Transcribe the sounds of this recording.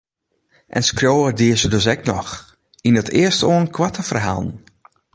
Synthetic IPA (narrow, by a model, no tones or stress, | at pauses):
ʔɛ̰nskrjoːədiəsədøs̬ɛk̚nɔx | inətʰɪ̰əstoːənkʰwatəfərɦa̰lˠn